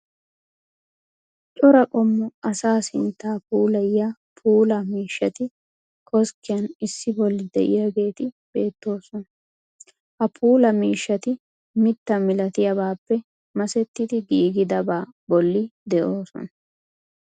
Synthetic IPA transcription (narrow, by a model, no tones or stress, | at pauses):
t͡ʃʼɔɾɐkʼɔmːɔɐsaːsɪnt̪ːaːpuːlɐjja | pʰuːlɐmiːʃːɐt̪ɪ | kʼɔskːɪjɐnɪsːɪbɔlːɪd̪ɛ̰ʔɪ̰jaːɡe̞ːt̪ɪ | b̥e̞ːt̪ːo̞ːsɔn | hɐpʰuːlɐmiːʃːɐt̪ɪ | mɪt̪ːɐmɪlɐt̪ɪjɐbaːpːɛ | mɐsɛt̪ːɪd̪ɪɡiːɡɪd̪ɐbaːbɔlːɪd̪ɛʔo̞ːsɔ̰nɐ